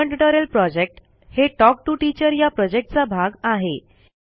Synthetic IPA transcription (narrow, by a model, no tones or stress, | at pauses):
əɳʈəʈəɾəlpɾɔd͡ʑek̚ʈ | heʈɔk̚ʈuʈit͡ɕəɾjapɾɔd͡ʑek̚ʈ̚t͡sabʱaɡaɦe